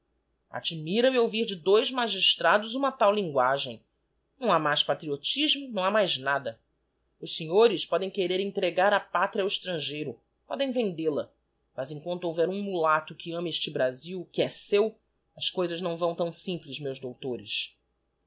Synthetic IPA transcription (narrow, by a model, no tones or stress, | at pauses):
a̰d͡ʒimiɾɐmɪowviɾd͡ʒɪd̪ojzmaʒiʃt̪ɾad̪ʊzũmɐt̪awlĩŋɡwaʒẽj̃ | nɐ̃w̃amajʃpat̪ɾiot͡ʃiʒmʊnɐ̃w̃amajznad̪ɐ | ʊʃseɲoɾɪʃpɔd̪ẽj̃keɾeɾẽnt̪ɾeɡaɾɐpat̪ɾiawiʃt̪ɾɐ̃ʒejɾʊ | pɔd̪ẽj̃vẽnd̪elɐ | mɐzẽŋkwɐ̃nt̪ʊowvɛɾũmulat̪ʊkɪɐ̃mɐeʃt͡ʃɪbɾaziwkɪɛsew | ɐskojzɐznɐ̃w̃vɐ̃w̃t̪ɐ̃w̃sĩplɪzmewzd̪owt̪oɾɪ̰ʃ